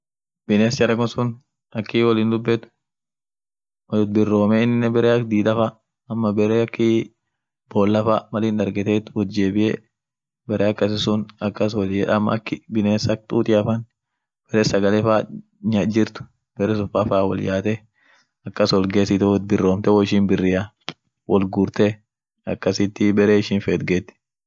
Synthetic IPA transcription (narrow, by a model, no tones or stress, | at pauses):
b̥ɪneːst͡ʃɐɾɐkʊsʊn | ɐkːiːwɐliːnd̪ʊbːɛt̪ʊ̥ | wɐd̪̚bɪrːo̞ːmɛɪnːɪnːɛbɛɾeːɐkd̪iːd̪ɐfa | ɐmːɐbɛɾeɐkʰːi | b̥oːlːɐfaːmɐliːnᶑɐɾɡɛt̪eːt̪ʊwɔd͡ʒeːbɪʔeː | bɛɾeːɐkːɐsɪsʊnɐkːɐsɔlɛɐmːɐ̰ɐkːɪbɪneːsɐk̚t̪ʼuːt̪ʼɪɐfɐn | b̥ɛɾeːsɐɡɐlefaː | ɲad͡ʒɪɾt̪ʊ̥ | b̥ɛɾɛsʊfafaːwɔ̰ljaːt̪ɛ | ɐkːɐswɔlɡeːsɪt̪ɛwɔbɪrːoːmt̪ɛwɔɪʃinbɪrːɪja | wʔɔlɡʊɾt̪e | ɐ̰kːɐsɪt̪ːɪbɛɾeːɪʃɪnfeːt̪̚ɡet̪ːɪ̥